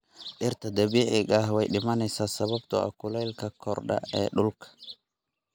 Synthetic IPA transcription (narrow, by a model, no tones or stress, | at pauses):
ɗɪrt̪ʰɐd̪ɐβiːʕɪɡɐhwɛjɗɪmɐnɛjsaːsɐβɐbt̪ʰɔɐ̰kʊlɛjlkʰɐkʰɔrɖɐ̰ɛ̰ːɗʊlkʰɐ̥